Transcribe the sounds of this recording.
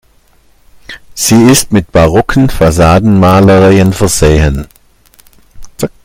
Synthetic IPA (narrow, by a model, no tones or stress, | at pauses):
z̥iːɪstmɪt̚b̥aʁɔkʰən̩faz̬aːdn̩maːləʁaənfɛɐzeːɦən